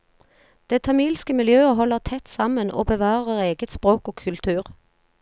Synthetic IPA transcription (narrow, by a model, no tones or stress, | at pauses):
d̪̥eːt̪ʰɑmiːlskəmɪljøːəɦɔlːəʁt̪ʰɛt̪sɑmənʔo̰ːbəʋɑːʁəʋoːʁeːɡət̪spʁoːkoːkʰʉlt̪ʰʉːʁ